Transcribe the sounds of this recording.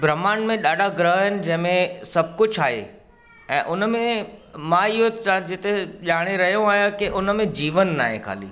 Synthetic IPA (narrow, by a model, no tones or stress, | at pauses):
bɾɐmaːnmẽɗaːɖʱaɡɾəɦɦɪnɪ̆d͡ʑɐ̃ɦɪ̃mẽsɐb̚ʱkʊd͡ʑʰʱaːɦḛ | ɛ̰̃ːʔʊnmẽmãɪɦoad͡ʑɪt̪eʄaːɽ̃eɾɐɦijõaːɦijãkɪʔʊnəmẽd͡ʑiːʋənːa̰ːɦḛxʰa̰ːlḭː